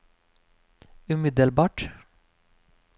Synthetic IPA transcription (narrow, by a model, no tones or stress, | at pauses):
ʉmɪd̪əlbɑːʈ